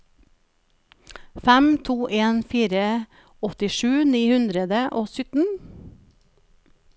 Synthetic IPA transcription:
fæmt̪ʰuːʔeːnfiːɾə | ɔt̪ɪʃʉːniːhʉnd̪ɾəd̪əʔoːsʏt̪n̩

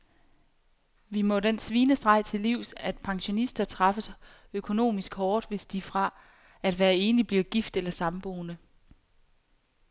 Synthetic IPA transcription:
ʋimɔ̽d̥ensʋiːnəsd̥ʁɑ̈ɪ̰t͡sʰe̝lːiʊ̰sæd̥̚pʰɑ̈ŋɕo̝nisd̥ɐt͡sʰʁɑ̈fəs | økʰo̝no̝̰ːmisɡ̥hɒːd̥ʋe̝sd̥ifʁɑ̈ | æd̥ʋæːɐe̝ːnib̥liɐɡ̥ifd̥elɐsɑ̈mb̥o̝ːnə

